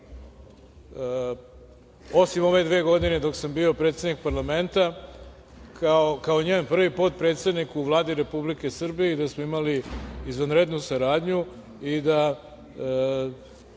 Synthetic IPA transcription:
o̞simo̞ʋe̞d̪ʋeːɡo̞d̪ine̞d̪o̞ksambio̞pɾet̪sed̪nik̚paɾlˠame̞nt̪a | kʰaokaoɲeːmpr̩ʋipot̪̚pɾe̞ːt̪st̪ed̪nikuʋlˠaːd̪iɾe̞publike̞sr̩bijeid̪asmoimaliːzʋanɾed̪nusaɾaːd̪ɲu | id̪a

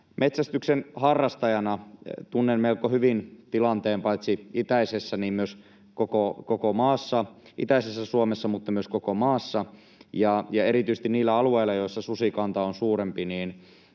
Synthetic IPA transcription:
met̪sæst̪yksenhɑrːɑst̪ɑjɑnɑt̪unːenmelkːohyʋint̪ilɑnt̪eːmpɑit̪siit̪æisesːæniːmmyøs | kokokokomɑːsːɑʔit̪æisesːæsuomesːɑmut̪ːɑmyøskokomɑːsːɑ | jɑjɑeɾit̪yis̆t̪iniːlːæɑlueilːˑɑjoisːɑsusikɑnt̪ɑonsuːɾempiniːn

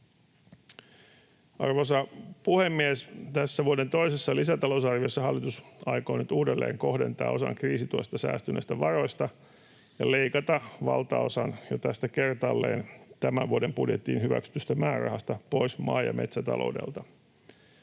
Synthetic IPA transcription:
ʔɑ̰rʋos̬ɑpuhemːiest̪æsːæʋuode̞nt̪o̞jse̞sːɑlisæt̪ɑlo̞usɑrʋiosːɑɦɑlːit̪usɑjko̰ːnyt̪uːdelːe̞̰ːŋko̞hde̞̰nt̪ɑ̰ːo̞sɑ̰ŋkriːsit̪uo̰st̪ɑsæ̰ːst̪yneist̪æʋɑro̞jst̪ɑ | jɑle̞ikɑt̪ɑʋɑlt̪ɑo̞sɑnjot̪æst̪æke̞rt̪ɑlːḛːnt̪æmæʋuode̞mpudjet̪ːḭːnhyʋæ̰ksy̥t̪yst̪æmæːrɑ̰hɑst̪ɑpo̞jsmɑ̰ːjɑ̰me̞t̪sæt̪ɑ̰lo̰ude̞̰lt̪ɑ

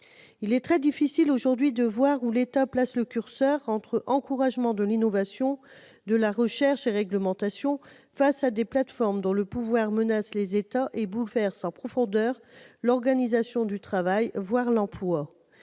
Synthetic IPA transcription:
ilɛt̪χɛd̪ifisiloʒuʁd̪ɥid̪əvwaʁulet̪aplasləkʲyʁsœʁɑ̃t̪χəʔɑ̃kuʁaʒmɑ̃d̪əlinɔvasjɔ̃ | d̪əlaʁəʃɛʁʃeʁɛɡləmɑ̃t̪asjɔ̃ | fasad̪eplat̪fɔʁmd̪ɔ̃ləpuvwaʁmənaslezet̪aʔebulvɛʁsɑ̃pχɔfɔ̃d̪œʁlɔʁɡanizasjɔ̃d̪yt̪χavajvwaʁlɑ̃plwa

